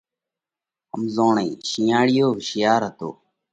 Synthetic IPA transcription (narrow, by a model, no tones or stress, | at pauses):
ɦəmzõːɳẽːʃiːaːɽɪjoːʃɪjaːɾɦət̪o̰ː